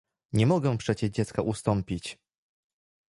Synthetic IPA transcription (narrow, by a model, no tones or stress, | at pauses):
ɲɛmɔɡɛ̃pʂɛt͡ɕɛʐd͡ʑɛt̪skaʔust̪ɔmpʲit͡ɕ